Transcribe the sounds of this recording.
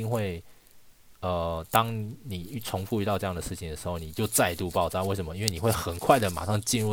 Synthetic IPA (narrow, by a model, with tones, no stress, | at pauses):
i˥ŋxwe˥˨˩ɪ | ə˨˩t̪ɑ˥ŋni˨˩˥t͡sʰʊ˧˥ŋfu˥˧y˥˧t̪ɑ˥˧ʊʈ͡ʂɤ˥˧jɑ˥˩ŋd̪ə˩ʂɻ̩˥˩t͡ɕʰi˨nd̪ə˩ʂ̩˧˦xo˥˩ʊni˨˩t͡ɕjo˥˧ʊt͡sa˥˧ɪ˧t̪u˥˧pɑ˥˧ʊt͡sɑ˥˧˦we˥˩ɪʂə˧˦nmə˦i˥nwe˥˩ni˨xwe˥˩ɪxə˨˩nkʰwa˥˩ɪd̪ə˩ma̰˨˩ʂɑ˥˧ŋt͡ɕi˥˧nɻu˥˧